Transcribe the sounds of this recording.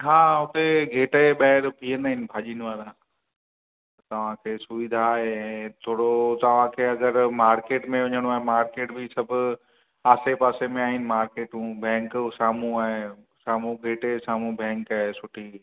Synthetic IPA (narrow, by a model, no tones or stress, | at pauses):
ɦaːɦʊt̪eɡʱeːʈəɓɐɦɪɾpʰiːənaːɦɪnɪ̆bʱaːʄiːnʋaːɾã | t̪ɐʋ̤ãkʰeːsʊʋɪd̪ʱaːɦeɛ̃ːt̪ʰoːɽot̪ɐʋ̤ãkʰeːɐɡəɾmaːɾkeːʈmẽʋɐɲəɽ̃oaːɦemaːɾkeːʈbʱɪsɐbʱʊ | aːsepaːsemẽaːɦɪnɪ̆maːɾkeːʈũbɛ̃ːŋksaːmũaːɦe | saːmũɡʱeːʈesaːmũbɛ̃ːŋkaːɦesʊʈʰi